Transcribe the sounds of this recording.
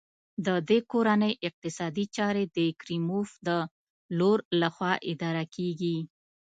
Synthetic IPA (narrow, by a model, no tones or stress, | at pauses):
d̪əd̪ekoɾanəjʔɪq̚t̪ɪsɑd̪it͡ʃɑɾed̪əkɾimofd̪ə | loɾlaxwɑʔɪd̪ɑɾakʰeɡi